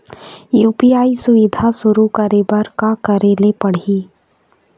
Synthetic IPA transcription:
juːpiaːisʊʋɪd̪ʱasʊɾukəɾebɐɾkakəɾeːlepɐɽ̤iː

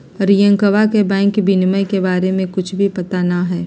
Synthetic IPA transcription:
ɾijə̃ŋkəʋakebɛ̃ːŋkbɪnməjkebaːɾemẽkʊt͡ʃʰbʱipɐt̪anaɦɛː

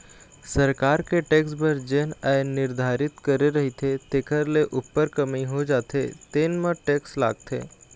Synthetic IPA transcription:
səɾkaɾkeʈeksbəɾd͡ʑenəjniɾd̪ʱaɾit̪kəɾeɾəɦit̪ʰet̪ekʰəɾleʔupːəɾkəmiɦod͡ʒat̪et̪enməʈeksla̰ɡ̚t̪ḛ

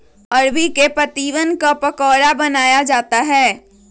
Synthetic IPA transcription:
ɐɾbikepɾɐt̪iːʋənkapɐkɔːɾabɐnaːjad͡ʒaːt̪aɦɛː

